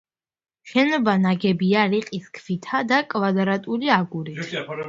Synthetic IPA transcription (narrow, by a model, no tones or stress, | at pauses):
ʃɛnɔbanaɡɛbiaɾiqʼiskʰvit̪ʰad̪akʼvad̪ɾat̪ʼuliaɡuɾit̪ʰ